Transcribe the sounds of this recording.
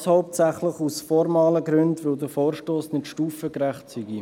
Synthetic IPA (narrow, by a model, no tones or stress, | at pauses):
shɔʊp̚tsæχləχusfɔɾmɑːləɡɾʏndʋɵld̪əfoːɾʃtoːsnɪtʃtuːfəkɾæχtsiɡi